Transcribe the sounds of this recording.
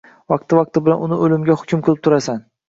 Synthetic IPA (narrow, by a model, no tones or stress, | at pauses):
vɑq̚t̪ɪvɑq̚t̪ʰɪbɪlanʊnɪolɪmɡʲahʊkʲʰʊmkqʰɨlˠɪp̚t̪ʰʊɾasan